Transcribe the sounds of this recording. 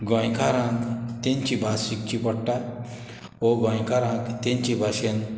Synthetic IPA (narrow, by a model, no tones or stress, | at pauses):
ɡɔ̃jkaɾãŋkt̪ẽɲt͡ɕibʱasik̚t͡ɕipɔɽʈat | ɔɡɔ̃jkaɾãŋkt̪ẽɲt͡ɕibʱaɕen